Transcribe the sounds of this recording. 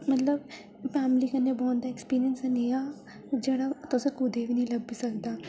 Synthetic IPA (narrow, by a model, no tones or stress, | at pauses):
mɐt̪ləb | pɛːmlikɐnːebɔːnd̪aekspiːɾijənsenija | d͡ʒɐɽat̪osekud̪ebʱinɐĩlɐɡbisɐk̚d̪aː